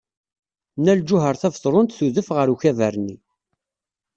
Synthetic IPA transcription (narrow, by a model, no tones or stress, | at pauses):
næld͡ʒʊɦəɾθævθˤɾˤʊnt̪θuðəfʁəɾuçævæɾni